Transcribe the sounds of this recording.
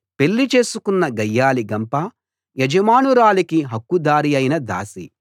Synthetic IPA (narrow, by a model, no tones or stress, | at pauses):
pe̞lːit͡ʃe̞ːsukunːɐɡɐjːaːliɡɐmpɐ | jɐd͡ʒɐmaːnuɾaːlikiɦɐkːud̪aːɾijɐjnɐd̪a̰ːsi